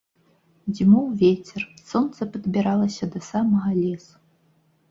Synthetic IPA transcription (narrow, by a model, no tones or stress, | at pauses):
zʲimuwvʲet͡sʲɛrsɔnt̪sɐpɐd̪bʲiɾalˠɐsʲɐd̪ɐsamɐɣɐlʲes